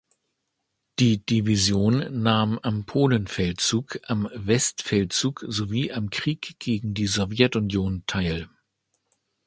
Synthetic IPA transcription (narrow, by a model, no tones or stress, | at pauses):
d̥iːd̥ivizjoːnːaːmampʰoːlənfɛltt͡suːkʔamvɛstfɛltt͡suːkz̥oviːʔamkʁ̥iːkɡ̥eːɡŋ̩diːzɔvjɛtʊnjoːntʰaɪl